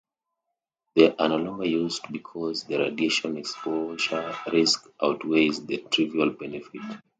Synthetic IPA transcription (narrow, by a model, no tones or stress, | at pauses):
ðeʔanɔlɔ̃ŋɡəjuzdbikʰɔzðəɹa̰dieʃɔ̃nɛkspʰoʒəɹiskʔawtwezðətʰɹivialbɛnɛfit